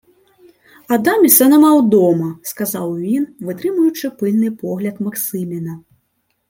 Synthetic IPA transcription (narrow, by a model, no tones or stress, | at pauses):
ad̪amʲisɐnɐmawd̪ɔmɐskazawvʲinvɨt̪ɾɨmujut͡ʂɨpɨlʲnɨpɔɣlʲɐt̪maksɨmʲinɐ